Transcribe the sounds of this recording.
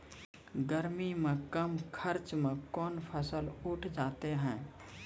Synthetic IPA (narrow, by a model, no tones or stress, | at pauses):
ɡəɾmimẽkəmkʰəɾt͡ʃmẽkɔːnpʰəsəlʊʈʰd͡ʒaːt̪eɦɛ̃ː